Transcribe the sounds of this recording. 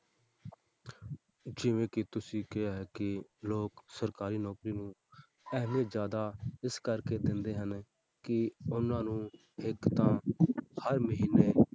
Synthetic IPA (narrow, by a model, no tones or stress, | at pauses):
d͡ʒɪʋẽːkɪt̪ʊsĩːkɪaːɦɛːkɪloːksəɾkaːɾiːnɔːkɾiːnũː | ɛɦmeːzjaːd̪aːɪskəɾkeːd̪ɪ̃nd̪eːɦən | kɪʊnãːnũː | ɪkt̪ãːhəɾməɦiːneː